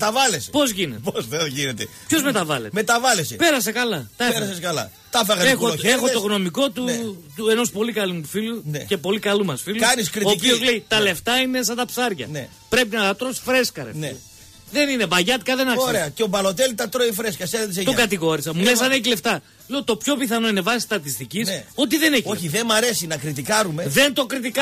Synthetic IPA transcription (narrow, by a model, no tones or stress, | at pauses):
mt̪ɐvɐlespo̞zʝineposθeoʝinet̪e | pço̞zme̞t̪ɐvɐlḛt̪met̪ɐvɐlesepe̞ɾɐs̬ekɐlɐt̪ɐeɾɐseskɐlɐ̰ | t̪ɐfɐɣɐzexoexot̪oɣno̞miko̞t̪ut̪ue̞nospo̞likɐlufilunece̞po̞likɐlumɐsfiluɐniskɾioːpiozle̞it̪ɐle̞ft̪ɐines̬ɐt̪ɐpsɐɾʝɐ̰ne | pɾe̞pinɐt̪ɐt̪ɾo̞si̥fɾe̞skɐɾḛne | ðe̞nine̞vɐʝɐt̪ikɐðe̞nɐksɾeɐceobɐlo̞t̪elit̪ɐt̪ɾoifɾeskɐseɐt̪iseokɐt̪iɣo̞ɾisɐmules̬ɐneçile̞ft̪ɐ | leot̪opço̞piθɐno̞ine̞vɐsi̥st̪ɐt̪ist̪iciso̞t̪iðe̞neçoçiðemɐɾesinɐkɾit̪ikɐɾumeðe̞nt̪o̞kɾit̪ikɐ